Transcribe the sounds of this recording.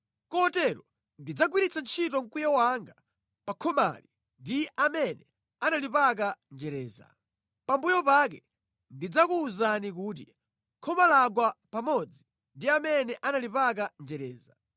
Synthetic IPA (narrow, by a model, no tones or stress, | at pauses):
kɔtɛɾɔ | ndid͡zaɡwiɾit͡sʰant͡ʃʰitɔŋ̩kujawaŋɡa | pakʰɔma̰li | ndiʔamɛnɛ | analipak̬and͡ʒɛɾɛːza̰ | pambujɔpakɛ | ndid͡zakuːzanik̬uːt̬i | kʰɔmalaɡwapamɔd͡zi | ndiamɛnɛʔanalipak̬and͡ʒɛɾɛːza